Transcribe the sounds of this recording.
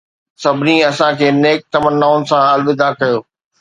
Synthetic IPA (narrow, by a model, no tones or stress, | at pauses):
sɐbʱɪnĩɐsãkʰeːneːk̚t̪ɐmənːaːʊnɪ̆sãɐlʋɪd̪ʱakɐjoː